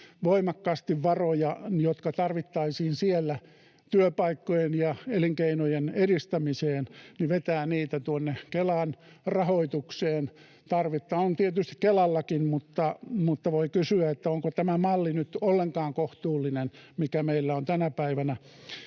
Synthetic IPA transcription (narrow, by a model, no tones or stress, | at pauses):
ʋoimɑkːɑːst̪iʋʋɑrojɑjot̪kɑt̪ɑrʋit̪ːɑisiːnsielːæ | t̪yøpɑikːojenjɑeliŋkeinojeneɾist̪æmiseːnniʋet̪æːniːt̪æt̪uonːekelɑn | rɑhoit̪ukseːn | t̪ɑrʋit̪ːɑont̪iet̪yst̪i̥kkelɑlːɑkinmut̪ːɑmut̪ːɑʋoikysyæet̪ːæoŋkot̪æmæmɑlːinyt̪olːeŋkɑːŋkoht̪uːlːinenmikæmeilːæont̪ænæpæiʋænæ